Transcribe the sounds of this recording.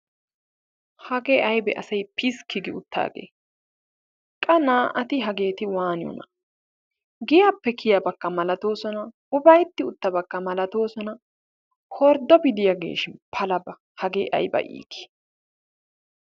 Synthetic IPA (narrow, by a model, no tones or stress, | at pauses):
hɐɡeːʔɐjbɛʔɐsɐjpʰɪskɪɡɪʊt̪ːa̰ːɡḛː | kʼɐnaːʔɐt̪ɪɦɐɡe̞ːt̪ɪwaːnɪjɔ̰nɐ̰ | ɡɪjapːɛkʰɪjɐbɐkːɐmɐlɐt̪o̞ːsɔnɐ | ʊbɐjt̪ːɪʊt̪ːɐbɐkːɐmɐlɐt̪o̞ːsɔnɐ | kʰɔɾd̪ɔbɪd̪ɪjɐɡe̞̰ːʃɪnpʰɐlɐbɐ | hɐɡeːʔɐ̰jbɐ̰ʔḭːkʰːɪ̥